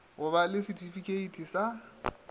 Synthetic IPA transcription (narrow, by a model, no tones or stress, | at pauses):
ɦʊbalɪsitʰifikʼeitʰʼisa